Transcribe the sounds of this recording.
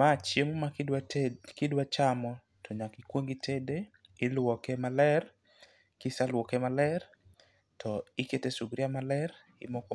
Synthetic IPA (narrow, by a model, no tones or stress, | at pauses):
mat͡ʃjemomadkɪdwat͡ʃamɔ | tʰɔɲakikwoŋɡitʰede | ɪlwɔkemalɛr | kisalwɔkemalɛr | tʰɔiketesuɡɾiamalɛɾ | ɪ̰mɔkɔ